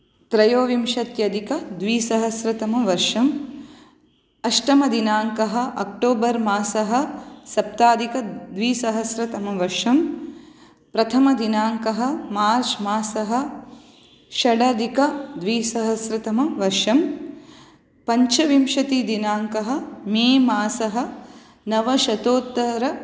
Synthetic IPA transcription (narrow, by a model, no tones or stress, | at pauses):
t̪ɾɐjoːʋimʃɐt̪jɐd̪ikɐd̪ʋiːsɐɦɐsɾɐt̪ɐmɐʋɐɾʂɐm | ɐʃʈɐmɐd̪inaːŋkɐɦɐ̆ʔɐk̚ʈoːbɐɾmaːsɐɦɐ̆sɐp̚t̪aːd̪ikɐd̪ʋiːsɐɦɐsɾɐt̪ɐmɐʋɐɾʂɐm | pɾɐt̪ʰɐmɐd̪inaːŋkɐɦɐ̆maːɾt͡ʃmaːsɐɦɐ̆ | ʃɐɽɐd̪ikɐd̪ʋiːsɐɦɐsɾɐt̪ɐmɐʋɐɾʂɐm | pɐɲt͡ʃɐʋimʃɐt̪id̪inaːŋkɐɦɐ̆meːmaːsɐɦɐ̆ | nɐʋɐʃɐt̪oːt̪ːɐɾɐ